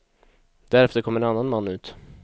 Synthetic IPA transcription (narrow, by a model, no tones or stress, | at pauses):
d̪æɾɛft̪əɾkʰɔmːəɾɛnanːanmanːʉ̟ːt̪